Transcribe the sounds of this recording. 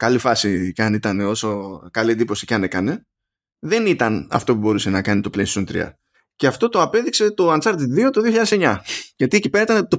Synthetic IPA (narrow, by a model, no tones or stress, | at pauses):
kɐlifɐsicɐnit̪ɐne̞o̞so̞kɐliend̪ipo̞si̥ceɐne̞kɐne̞ | ðe̞nit̪ɐnɐ̰ft̪o̞pubo̞ɾuse̞nɐkɐnit̪o̞plessunt̪ɾḭɐ̰ | ce̞ɐft̪o̞t̪o̞ɐpe̞ðikse̞t̪o̞ɐnt͡sɐɾt̪id̪ðio̞t̪o̞ðioçiʎɐðese̞ɲɐʝɐt̪iecipe̞ɾɐit̪ɐnt̪o